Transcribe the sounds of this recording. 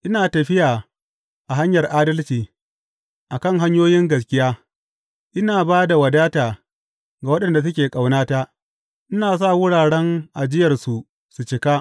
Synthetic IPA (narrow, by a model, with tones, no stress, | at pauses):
ʔɪ˦naː˨tɐ˨ɸɪ˦jaː˨ | ʔa˨ɦa˦ɲjɐ˨rʔaː˦dɐ˦lt͡ʃiː˨ | ʔa˨kɐ˦˨ŋɦa˦ɲjoː˦jɪ˦ŋɡɐ˨skʲʼɪ˦jaː˦ | ʔɪ˦naː˨baː˦da˨wɐ˨daː˦taː˨ | ɡa˨wɐ˦ɗɐ˨nda˨s̬ʊ˦kʲeː˨kʼa˨wnaː˦ta˦ʔ | ʔɪ˦naː˨s̬a˦˨wʊ˦ɽaː˨ɽɛ˦ŋʔa˨d͡ʒɪ˦jɐ˨rsu˨ | su˨t͡ʃɪ˨kaː˦